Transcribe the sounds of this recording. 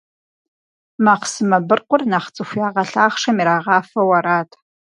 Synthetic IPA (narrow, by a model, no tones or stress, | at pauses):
maːqsɨmɐbɨrqʷʊrnaːχt͡sʼɨxʷjaːʁɐɬaːχʂɐmiɾaːʁɑːfɐwɐɾaːtʰ